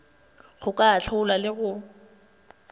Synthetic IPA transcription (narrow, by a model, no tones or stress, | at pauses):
ɣʊkʼaːt͡ɬʰʊʊlwalɪɣʊ